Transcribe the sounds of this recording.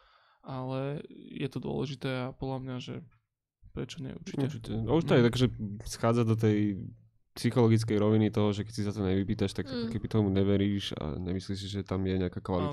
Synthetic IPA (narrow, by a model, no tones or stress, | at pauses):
ʔalɛjɛ̰t̪ɔd̪ʊɔ̰lɛʒit̪ɛːapɔd̪lamɲaʒɛ | pɾɛt͡ʃɔɲɛ̰ṵɾt͡ʃiɛt͡ʃitɛuʃt̪ɔajakɔʒɛsxaːd͡zad̪ɔt̪̬ɛj | psixɔlɔɡit͡skɛjɾɔʋinit̪ɔɦɔʒɛkɛcsisat̪ɔɲɛʋipiːt̪aʃt̪akt̪kɛbit̪ɔmuɲɛʋɛɾiːʃa̰ɲɛmisliːʃs̬iʒɛt̪amjɛɲɛakakʋalit̪